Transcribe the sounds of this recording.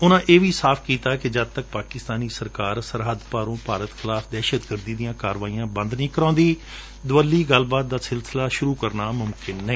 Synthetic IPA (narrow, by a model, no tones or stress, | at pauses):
ʊnãːʔeːʋiːsaːpʰkiːt̪aːkɪd͡ʒəd̪̚t̪ək̚paːkɪst̪aːniːsəɾkaːɾsəɾɦəd̪paːɾõːpaːɾət̪kʰɪlaːpʰd̪ɛːʃəd̪ɡəɾd̪iːd̪ijãːkaːɾʋaːijãːbə̃nd̪nĩːkəɾãːnd̪iː | d̪ʊəlːiːɡəlbaːt̪̚d̪aːsɪlsɪlaːʃʊɾuːkəɾnaːmʊmkɪnːəĩː